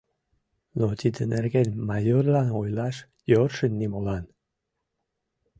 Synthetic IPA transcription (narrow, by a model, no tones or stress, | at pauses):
not̪id̪ənerɡelʲmajorlɑnojlɑʃ | jorʃənʲːimolɑn